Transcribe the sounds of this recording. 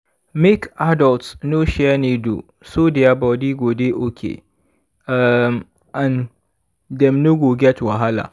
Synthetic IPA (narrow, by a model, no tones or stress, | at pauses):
mɪkʔadɔltsnoːʃɛaneːdo̰ | soːdejabadiːɡʷoːdeʔokʲʰḛ | ʔam | ʔan | dɛmnʊɡoɡʲɛtwɐɦala̰ː